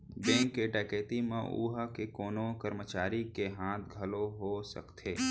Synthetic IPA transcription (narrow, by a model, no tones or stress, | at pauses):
bɛ̃ːŋkːeɖɛːkeːt̪imẽʔṵːɦakekoːnokəɾmət͡ʃaːɾikeɦãːt̪ʰɡʱɐloɦosə̰kt̪ʰeː